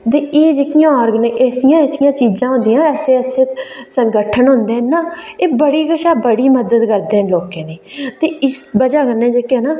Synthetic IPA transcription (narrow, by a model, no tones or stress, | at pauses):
t̪eːʔeːd͡ʒeːkɪjãːɔːɾɡnʔɛːsɪjãːɛːsɪjãːt͡ʃiːzãːɦʊ̃nd̪ijãːɛːseːəseːsəŋɡəʈʰənɦʊ̃nd̪ẽːnaːeːbəɽiːɡəʃaːbəɽiːməd̪əd̪ɡəɾd̪ẽːloːkẽːd̪iːt̪eːɪsbəd͡ʒaːɡənːẽːd͡ʒeːkːnaː